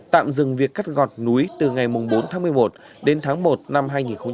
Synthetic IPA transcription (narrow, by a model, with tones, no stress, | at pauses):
t̪a̰ː˧˨mzɨ˨˩ŋvi˨˩əkːa˦˥k̚ɣɔ˨˩t̚nu˨˦jt̪ɨ˨˩ŋa˨˩jmʊ˨˩ŋ͡mɓo˨˦nt̪ʰaː˨˦ŋmɨ˨˩əjmo˨˩t̚ | ɗe˨˦nt̪ʰaː˨˦ŋmo˨˩t̚na˧mɦaː˧jŋi˨˩nxə˧ŋ͡m